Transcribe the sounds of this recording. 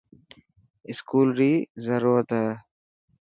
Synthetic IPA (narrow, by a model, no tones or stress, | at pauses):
ɪskuːlɾiːzɐɾuɾət̪a